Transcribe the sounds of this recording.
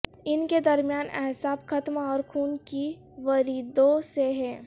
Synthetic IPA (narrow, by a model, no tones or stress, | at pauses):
ɪnked̪ɐɾmijaːnɛ̰ɦsaːbkɐt̪maɔːɾkʰuːnki | ʋɐɾiːd̪õseɦɛ̃ː